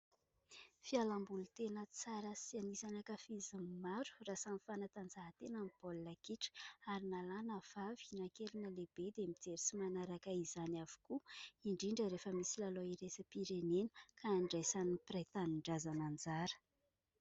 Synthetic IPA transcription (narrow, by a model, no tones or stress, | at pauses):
fialambulut̪enət͡saɾəsianisanakəfizəmmaɾu̥rasanifanat̪and͡zaɦət̪enamib̥olːakiʈ͡ʂə̥aɾinalanəv̥avinakelinəleb̥ed̪emid͡zeɾit͡simanaɾakaizanavu̥kuiɳɖ͡ʐiɳɖ͡ʐəɾefəmisilaloiɾesəpiɾenenə̥kʰaːɳɖ͡ʐejsaniprat̪aniɳɖ͡ʐazanand͡zaɾə̥